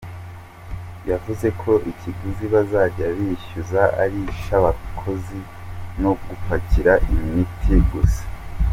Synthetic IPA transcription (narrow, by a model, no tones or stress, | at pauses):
javuze̞kʰo̞ʔiciɡuziβazaːɾɟaβiʃuzaʔa̰ɾiʃaβakʰo̞zi | no̞ɡupaciɾaʔimitʰiɡuse̥